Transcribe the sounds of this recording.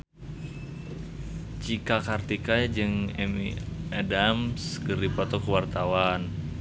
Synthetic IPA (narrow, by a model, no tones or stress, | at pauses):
t͡ʃikakart̪ikad͡ʒɨŋɛmiadamsɡəɾipat̪ɔkəwart̪awan